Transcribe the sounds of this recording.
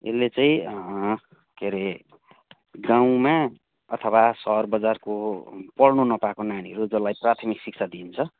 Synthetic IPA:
ḛlːet͡sãĩ | keɾe | ɡãw̃ma | ʌt̪ʰʌwasʌrbʌd͡zarkopʌrnunʌpakonaniɦʌɾud͡zʌlajprat̪ʰʌmiksik̚t͡sʰad̪int͡sʰʌ

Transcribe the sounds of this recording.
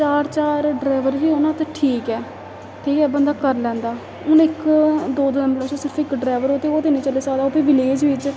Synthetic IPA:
t͡ʃaːɾt͡ʃaːɾɖɾaːʋəɾʋiːonãːt̪aʈʰiːkɛː | ʈʰiːkɛːbənd̪aːkəɾlɛ̃ːnd̪aː | ʊnɪkd̪oːd̪əml̃ːsəsɪɾpʰɪkɖɾaːʋəɾɦoːt̪eːoːt̪eːniːt͡ʃəlːeːsaːd̪aoːpiːʋɪleːd͡ʒʋɪt͡ʃ

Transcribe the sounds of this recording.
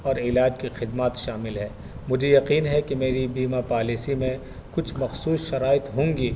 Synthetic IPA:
ɔːɾɪlaːd͡ʒkixɪd̪maːt̪ʃaːmɪlɦɛː | mʊd͡ʒʱejɐqiːnɦɛkemeːɾibiːmapaːlisimẽ | kʊt͡ʃʰmɐxsuːsʃɐɾaːɪt̪ɦõːŋɡiː

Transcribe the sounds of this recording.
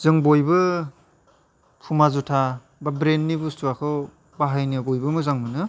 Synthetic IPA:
zɯŋbojbɯ | pʰumazutʰa | babɾenːibustuakʰɯw | baɦajnɯbojbɯmɯzaŋmɯnɯ

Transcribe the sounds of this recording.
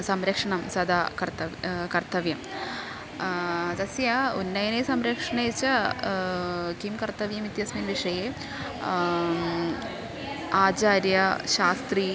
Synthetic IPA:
sɐmɾɐkʂɐɳɐmsɐd̪ʱaːkɐrt̪ɐʋkɐrt̪ɐʋjɐm | d̪ɐsjɐunːɐjɐnesɐmɾɐkʂɐɳet͡ɕːɐ | kimkɐrt̪ɐʋjɐmit̪jɐsminʋiʂɐje | aːt͡ɕaːɾjɐɕaːst̪ri

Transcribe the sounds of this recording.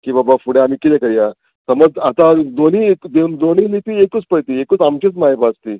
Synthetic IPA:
kĩbabafuɽeam̤iːkit̪ɛ̃kəɾija | səməd͡zat̪ãd̪oniːekd̪eund̪oninit̪iekut͡spəjt̪iːekuːt͡samt͡ɕit͡smaɦipast̪iː

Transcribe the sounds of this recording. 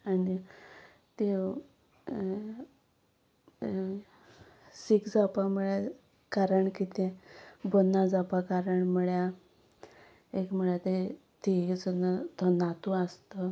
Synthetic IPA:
ani | t̪e | sikd͡zapaməɭja | kaɾəɳkit̪ɛ̃bənːad͡zapakaɾəɳməɭja | ekm̤əɭjat̪e | t̪ed͡zənət̪ɔnat̪uast̪ə

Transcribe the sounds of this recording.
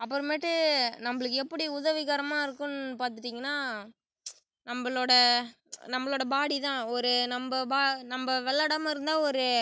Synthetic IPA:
ɐpːɯɾɯmeʈːɯnɐmːbɐɭɯkːɛpːɐɽiʊðɐʋɪɣaːɾɐmaːɪɾɯkːɯnpaːɾt̪ɯʈːiːŋɡɐnːaː | nɐmbɐɭoːɽɐ | nɐmːɐɭoːɽɐbaːɽit̪ãːɔɾɯnɐmbɐbaːnɐmbɐʋɛɭːɐɽɐmaɪɾɯnd̪aːɔɾɯ

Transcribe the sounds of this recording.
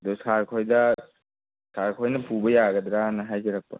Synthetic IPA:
dɔsaɾkʰojda | saɾkʰɔjnɐpʰubɐjaɡɐd̪ɾanɐɦajzeɾɐk̚pa̰

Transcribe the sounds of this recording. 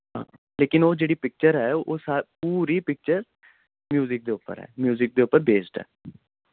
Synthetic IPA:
ɦã̰ː | leːkɪnoːd͡ʒeːɽiːpɪk̚t͡ʃəɾɦɛːoːsaːpuːɾiːpɪk̚t͡ʃəɾ | mjuːzɪk̚d̪eːʊpːə̰ɾɦɛ̰ːmjuːzɪk̚d̪eːʊpːəɾbeːsʈɛ̰ː

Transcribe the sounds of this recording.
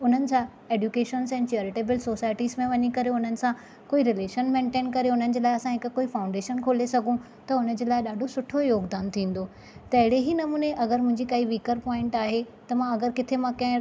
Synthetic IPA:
ʊn̤ənɪ̆sã | eːɖjukeːʃənzɛ̃ːnt͡ɕeːɾɪʈeːbɪlsoːsaːɪʈiːzmẽʋɐɲikɐɾeʊn̤ənɪ̆sã | koːiɾɪleːʃənmẽːɳʈẽːnkɐɾeʊn̤ənɪ̆d͡ʑeːlaːɪɐsãɦɪkkoːifaːʊ̃ɳɖeːʃənkʰoːlesɐɡʱũ | t̪ɐʊn̤ə̆d͡ʑeːlaːɪɗaːɖʱosʊʈʰojoːɡd̪aːnt̪ʰĩːn̆d̪oː | t̪ɐɦɪɽeɦinɐmuːneʔɐɡəɾmʊ̃ɦɪ̃ɲd͡ʑikɐiʋiːkəɾpɔːɪ̃ɳʈaːɦe | t̪ɐmãɐɡəɾkɪt̪ʰemãkɐ̃ɦɪ̃

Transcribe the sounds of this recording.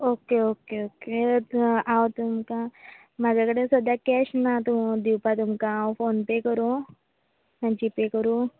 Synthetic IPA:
okeokeoke | at̪umka | mad͡ʑakəɽesəd̪akɛɕnat̪ud̪iwpat̪̬umkafonpekəɾu | mad͡ʑipekəɾuː

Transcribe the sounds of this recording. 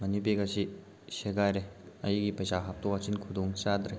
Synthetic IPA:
mɐnip̬eɡasi | seɡajɾeɐjiɡipɐjsaɦap̚tɔat͡ʃinkʰud̪oŋt͡ʃad̪ɾe

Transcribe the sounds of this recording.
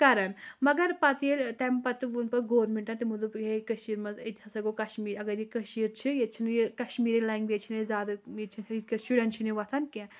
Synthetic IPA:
kɐɾɐnmɐɡɐɾpɐt̪ilʲt̪ɐmpɐt̪ɨʋunpɐɡoːɾmiɳʈɐnt̪imud̪upekɐʃiːɾmɐzit̪ʲʰɐsɐɡokɐʃmiːɾɐɡɐɾjikɐʃiːɾt͡ʃʰijet͡ʃʰinjekɐʃmiːɾilaiŋɡʋet͡ʃʰinezʲaːd̪ɐet͡ʃʰinikɐsuɖʲɐnt͡ʃʰiniʋɐt̪ʰɐnkʲẽ

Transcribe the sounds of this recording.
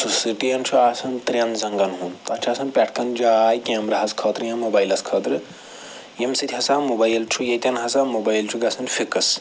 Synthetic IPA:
susɨʈijɐnt͡ʃʰuaːsɐnt̪ɾʲɐnzɐŋɡɐnɦũnt̪ɐt͡ʃʰaːsɐnpʲɐʈʰkɐnd͡ʒaːjkʲeːmɾɐɦɐskʰɐːt̪ɾɨjɐ̃mobaːjlɐskʰɐːt̪ɾɨ | jɐmsɨt̪ʰʲihɐsaːmubajlt͡ʃʰujɐt̪ʲɐnɦɐsaːmobaːjlt͡ʃʰuɡɐsɐnfikɐs

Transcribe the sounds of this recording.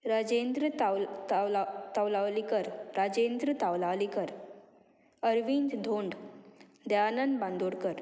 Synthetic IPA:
ɾad͡zend̪ɾə | t̪awlalikəɾɾad͡ʑend̪ɾət̪awlalikəɾ | əɾʋind͡ʒd̪ʱoɳɖ | d̪aanənbãnd̪ʱoɽkəɾ

